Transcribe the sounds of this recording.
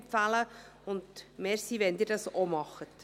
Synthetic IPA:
fælə | ʊnd̪mɛːɾsiʋɛnd̪iːɾdɑsomɑχːət̪

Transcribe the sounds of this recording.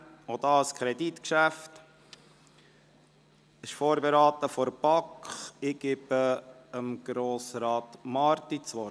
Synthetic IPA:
od̪ɑːəskʰɾɛdit̪kʃæft | ɪʃfoːɾbeɾɑːt̪əfɔɾb̥ɑkχɪɡ̥ɪb̥ə | əmɡ̥ɾoːsɾɑːtmɑɾt̪it͡sʋɔ

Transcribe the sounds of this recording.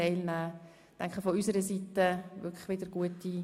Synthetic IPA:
ɛɪlnæː | tɛŋkχəfɔysəɾəsitəʋʏkʰlə̥χʋɪdəɾɡ̥uəti

